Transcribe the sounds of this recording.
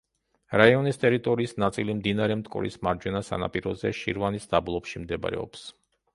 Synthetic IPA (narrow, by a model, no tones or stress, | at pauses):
ɾaiɔnist̪ʼɛɾit̪ʼɔɾiːsnat̪sʼilimd̪inaɾɛmt̪ʼkʼɔ̰ɾḭsmaɾd͡ʒwɛnasa̰na̰pʼiɾɔzɛʃḭɾvanisd̪ablˠɔpʃimd̪ɛb̰ɾɛ̰ɔ̰ps